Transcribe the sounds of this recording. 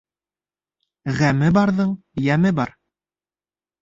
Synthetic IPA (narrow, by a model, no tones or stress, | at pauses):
ʁæmɘbɑɾðɤɴ | jæmɘbɑɾ